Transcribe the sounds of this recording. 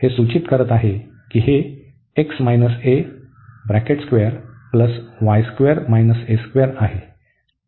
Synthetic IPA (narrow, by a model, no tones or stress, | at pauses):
hesut͡ɕit̪kəɾət̪aɦe | kiɦeː | ksmajnəse | bɾækeʈskʋeəɾpləsʋajskʋeəɾmajnəseskʋeəɾaɦe